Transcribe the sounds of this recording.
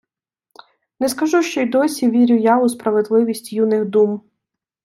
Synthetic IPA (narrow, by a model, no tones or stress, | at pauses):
nɛskɐʒuʃt͡ʃɔjd̪ɔsʲiʋʲiɾʲʊjaʊspɾɐʋed̪lˠɪʋʲisʲtʲjunɪxd̪um